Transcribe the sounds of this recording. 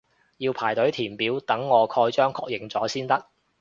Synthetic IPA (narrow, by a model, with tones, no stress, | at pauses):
jiː˧wpʰaː˨˩jt̪ɵ˨˥ɥt̪ʰiː˨˩npiː˨˥wt̪ɐ˨˥ŋːɔː˨˧kʰɔː˧jt͡ʃœː˥ŋkʰɔː˧k̚jɪ˨˩ŋt͡sɔː˨˥siː˥nt̪ɐ˥k̚